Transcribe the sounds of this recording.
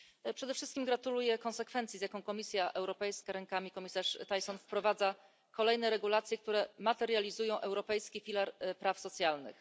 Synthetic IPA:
pʂɛd̪ɛfʂɘst̪kʲimɡɾat̪ulujɛkɔ̃sɛkfɛnt̪sʲizjakɔ̃w̃kɔmʲisʲjaʔɛwɾɔpɛjskaɾɛŋkamʲikɔmʲisaʂt̪ajsɔnfpɾɔvad̪za | kɔlɛjnɛɾɛɡulat̪sʲjɛkt̪uɾɛmat̪ɛɾjalʲizujɔ̃w̃ʔɛwɾɔpɛjskʲifʲilaɾpɾafsɔt̪sʲjalnɘ̰x

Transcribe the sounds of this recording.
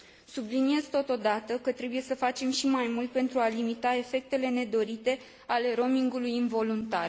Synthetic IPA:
sublinie̞zt̪o̞t̪o̞d̪at̪əkət̪ɾe̞buje̞səfat͡ʃe̞mʃimajmult̪̚pe̞nt̪ɾualimit̪ae̞fe̞k̚t̪e̞le̞ne̞d̪o̞ɾit̪e̞ | ale̞ɾo̞miŋɡulujɨnvo̞lunt̪ar

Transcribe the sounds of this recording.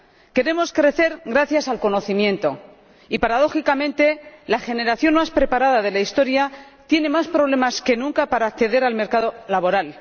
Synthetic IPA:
ke̞ɾe̞mo̞skɾe̞θe̞ɾɣɾaθjasalko̞no̞θimjẽ̞nt̪o̞ | ipaɾað̞o̞xikamẽ̞nt̪e̞laxe̞ne̞ɾaθjo̞nmaspɾe̞paɾaðaðe̞laist̪o̞ɾja | t̪je̞ne̞maspɾo̞β̞le̞maske̞nũŋkapaɾaːkθe̞ðe̞ɾalme̞ɾkaðo̞laβo̞ɾal

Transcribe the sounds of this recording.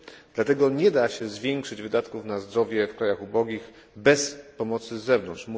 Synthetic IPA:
d̪̥lat̪ɛɡɔɲɛd̪aɕɛzvʲjɛŋkʂɘd͡ʑvɘd̪at̪kufnazd̪ɾɔvʲjɛfkɾajaxubɔɡʲiɣ | bɛspɔmɔt̪sɘzɛvnɔnt̪ʂmu

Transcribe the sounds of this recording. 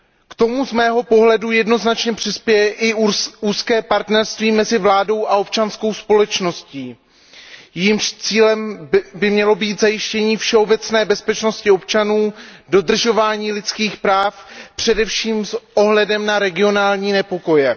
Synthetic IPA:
kt̪o̞muzmɛːɦo̞po̞ɦlɛdujɛdno̞znat͡ʃɲɛpr̥ɪspjɛjɛʔɪuːskɛːpaɾt̪nɛɾst̪viːmɛzɪvlaːdo̞wʔaop̚t͡ʃansko̞wspo̞lɛt͡ʃno̞sciː | jɛjimʃt͡siːlɛmbɪmɲɛlo̞biːt̪zajɪʃcɛɲiːfʃɛo̞bɛt͡snɛːbɛspɛt͡ʃno̞scɪo̞pt͡ʃanuːdo̞d̪r̩ʒo̞vaːɲiːlɪt͡skiːxpɾaːfpr̝̥ɛdɛfʃiːmsʔo̞ɦlɛdɛmnaɾɛɡɪo̞naːlɲiːnɛpo̞ko̞jɛ

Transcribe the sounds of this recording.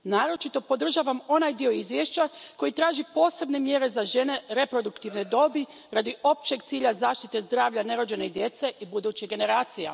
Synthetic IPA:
naːɾo̞t͡ʃit̪o̞po̞d̪r̩ʒaːʋamo̞najd̪io̞izʋjeʃt͡ɕako̞jit̪ɾaːʒipo̞ːse̞bne̞mje̞ɾe̞zaʒe̞ne̞ɾe̞pɾo̞d̪ukt̪iʋne̞d̪o̞bi | ɾad̪iʔo̞p̚t͡ɕe̞ɡt̪siːʎazaːʃt̪it̪e̞zd̪ɾaːʋʎʲane̞ɾo̞d͡ʑe̞neid̪je̞t̪se̞ʔibud̪ut͡ɕiɡe̞ne̞ɾaːt̪sija̰

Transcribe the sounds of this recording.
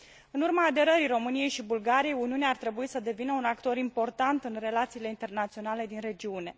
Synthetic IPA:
ɨnurmaːd̪e̞ɾəɾiro̞mɨnije̞jʃibulɡaɾije̞juniuneaːrt̪ɾe̞buisəd̪e̞vinəunakt̪o̞ɾimpo̞rt̪ant̪ɨnre̞lat̪siːle̞int̪e̞rnat̪sio̞nale̞d̪inre̞d͡ʒiune̞

